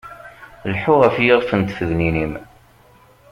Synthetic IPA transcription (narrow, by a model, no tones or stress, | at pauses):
lħuʁəfjɪʁfənt̪fəðninim